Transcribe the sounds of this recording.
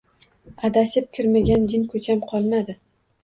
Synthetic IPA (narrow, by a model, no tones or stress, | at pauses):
ad̪asɪp̚kʲʰɪɾmaɡʲand̪ɪnkʰɵt͡ʃʰamqʰɒlˠmad̪ɪ